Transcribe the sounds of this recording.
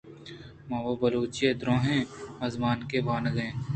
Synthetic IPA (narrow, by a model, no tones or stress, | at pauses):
mãːʋobɐloːt͡ʃied̪ɾõːɦẽːɐzmaːnkeʋaːnɡẽː